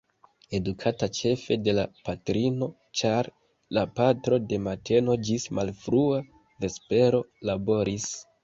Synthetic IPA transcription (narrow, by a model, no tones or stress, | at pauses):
e̞dukʰatat͡ʃe̞fe̞de̞lapatɾino̞ | t͡ʃaɾ | lapatɾo̞de̞matʰe̞no̞d͡ʒismalfɾua | ve̞spe̞ɾo̞labo̞ɾis